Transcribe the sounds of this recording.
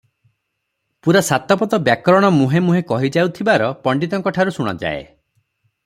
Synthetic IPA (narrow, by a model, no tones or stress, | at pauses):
puɾasat̪ɔpɔt̪ɔbjakɾɔɽ̃ɔmuɦemuɦekɔɦid͡ʒawt̪ʰibaɾɔpɔɳɖit̪ɔŋkɔʈʰaɾusuɽ̃ɔ̰d͡ʒa̰ḛ